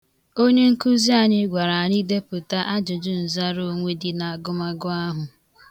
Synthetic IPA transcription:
o˦ɲe˦ŋ̩˦ku˦zi˦a˨ɲɪ˦ɡʷa˨ɾa˨ɲi˦de˦pʊ˨ta˦ʔa˦d͡ʒʊ˨d͡ʒʊ˦n̩˨za˦ɾo˦ŋʷe˦dɪ˦na˨a˨ɡʊ˦ma˦ɡʊ˦a˦ɦʊ˨

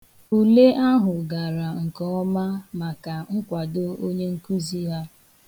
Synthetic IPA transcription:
u˨le˦ʔa˦ɦʊ˨ɡa˨ɾa˨ŋ̩˨kɔ˦ɔ˦ma˦ma˨ka˨ŋ̩˦kʷa˨do˦o˦ɲe˦ŋ̩˦ku˦zi˦ɦa˦

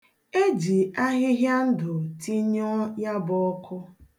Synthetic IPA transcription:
e˦d͡ʒi˨a˦ɦɪ˦ɦja˦n̩˦dʊ˨ti˦ɲɔ˦ja˦bɔ˦kʰʊ˦

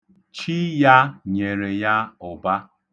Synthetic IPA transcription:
t͡ʃi˦ja˦ɲe˨ɾe˨ja˦ʊ˨ba˦

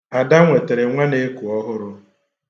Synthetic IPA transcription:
a˨da˦ŋʷe˨te˨ɾɪ˨ŋʷe˦ne˦e˦ku˨ɔ˦ɦʊ˦ɾʊ˦

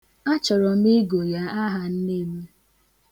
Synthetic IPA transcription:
a˦t͡ʃɔ˨ɾɔ˨m˦i˦ɡo˨ja˦a˦ɦa˨n̩˦ne˦˨me˦

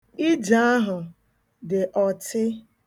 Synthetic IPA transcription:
i˦d͡ʒa˦a˦ɦʊ˨ | dɪ˨ʔɔ˨tʰɪ˦

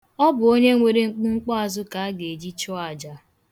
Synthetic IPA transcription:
ɔ˦bʊ˨o˦ɲe˦ŋʷe˨ɾe˦ŋ͡m̩˦k͡pu˦ŋ͡m̩˦k͡pɔ˦a˨zʊ˦ka˨a˦ɡe˨d͡ʒi˦t͡ʃɔ˦a˨d͡ʒa˨

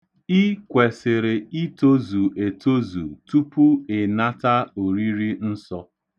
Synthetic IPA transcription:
i˦kʷe˨sɪ˨ɾɪ˨i˦to˦zu˨e˨to˦zṵ˨tu˦pu˦ɪ˨na˦ta˦o˨ɾi˦ɾi˦n̩˦sɔ˦

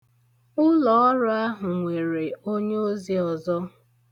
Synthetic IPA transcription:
ʊ˦lɔ˨ɔ˦ɾʊ˦a˦ɦʊ˨ŋʷe˨ɾe˨o˦ɲe˦o˦zi˦ɔ˨zɔ˦

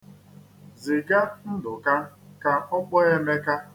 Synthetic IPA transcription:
zi˨ɡa˦n̩˦dʊ˨ka˦ka˦ɔ˦k͡pɔ˦e˦me˦ka˦

